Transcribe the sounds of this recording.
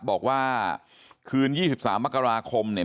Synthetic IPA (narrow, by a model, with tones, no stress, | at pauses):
bɔː˨˩k̚waː˥˩ | kʰɯː˧njiː˥˩si˨˩p̚saː˩˦mːa˦˥˩ka˧ɾaː˧kʰo˧mni˥˩ə